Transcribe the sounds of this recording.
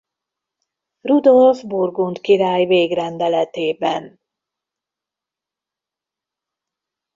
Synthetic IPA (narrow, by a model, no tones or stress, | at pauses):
rud̪olfburɡunt̪kiɾaːjveːɡrɛnd̪ɛlɛt̪eːbɛn